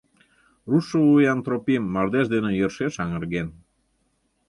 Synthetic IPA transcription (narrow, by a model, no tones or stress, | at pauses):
ruʃəβujant̪ɾopimːɑrd̪eʃd̪enĕjərʃeʃɑŋə̆ɾɣen